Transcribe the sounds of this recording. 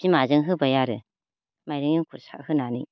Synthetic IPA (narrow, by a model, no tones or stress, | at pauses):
imazəŋɦɯbəjaɾɯ | maɾɯŋjiŋkʰuɾsʰa̰khɯnanḭ